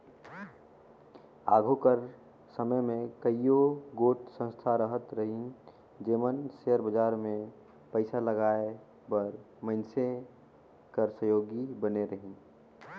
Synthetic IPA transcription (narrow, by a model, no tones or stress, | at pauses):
a̰ːɡʱokəɾ | səməjmẽkəijoɡoːʈsə̃nst̪ʰaɾəɦət̪ɾəɦin | d͡ʒeːmənseəɾbəd͡ʒaːɾmẽ | pəɪsaləɡaːe | bəɾ | məɪnse | kəɾsəjoːɡibəneɾəɦĩn